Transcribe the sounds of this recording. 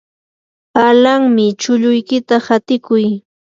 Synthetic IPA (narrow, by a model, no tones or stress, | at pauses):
alaŋmɪt͡ʃʊʎʊjkɪt̪ahat̪ɪkʊj